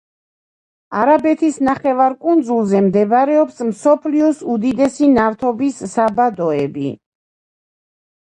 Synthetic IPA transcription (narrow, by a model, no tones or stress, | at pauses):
aɾabɛt̪ʰisnaχɛvaɾkʼund̪zulˠzɛmd̪ɛbɾɛɔpsmsɔpʰliɔsud̪id̪ɛsinaft̪ʰɔbisːabad̪ɔɛbḭ